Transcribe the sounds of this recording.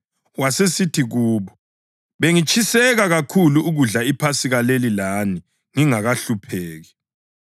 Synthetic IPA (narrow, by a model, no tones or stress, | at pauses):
wasesitʰiɣuːβɔ | βeŋit͡ʃʼʰisɛɣaɣakʰuluuɣuɮaipʰasiɣalelilani | ŋiŋaɣaɬupʰeːɣi